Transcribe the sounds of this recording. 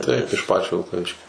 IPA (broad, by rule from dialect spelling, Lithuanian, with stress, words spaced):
tɐɪp ɪʃ ˈpɑːt͡ʃʲoː ʋʲɪlˠkɐˈʋʲɪʃʲkʲoː